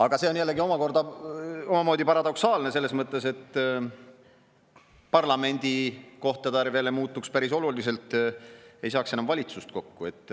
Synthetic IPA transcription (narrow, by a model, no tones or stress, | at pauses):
ɑɡ̥ɑse̞onjælːe̞ɡio̞mɑko̞rd̪ɑo̞mɑmo̞ːd̪ipɑɾɑd̪̥o̞ksɑːlne̞se̞lːesmɤt̪ːˑe̞se̞t̪ː | pɑrlɑme̞nʲd̪̥iko̞ht̪ˑed̪æɾveːlemuːt̪ːˑukspæɾiso̞lulise̞lt̪ˑ | e̞jsɑːkse̞nɑmvɑlʲit̪sust̪̚ko̞kːue̞t̪ːˑ